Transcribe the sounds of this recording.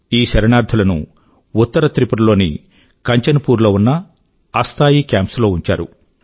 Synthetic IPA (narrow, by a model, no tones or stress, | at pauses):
iːʃɐɾɐnaːɾd̪ʰʱɐlɐnṵ | ut̪ːɐɾɐt̪ɾipɐɽɐlo̞ːnḭ | kɐɲt͡ʃɐnɐpuːɾloːunːɐː | st̪ʰaːjikjaːmpslo̞ːuɲt͡ʃa̰ːɾṵ